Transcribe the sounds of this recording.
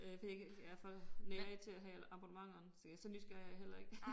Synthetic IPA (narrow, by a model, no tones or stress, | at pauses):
øfɒjjæfɒ̽leɐe̥t͡sʰe̝æɦɛɑ̈b̥unəmɑ̈ŋ̰ɐnsɒ̥æsɒ̽nysɡ̥æɐjɑɦel̰ɐe̝ɡ̥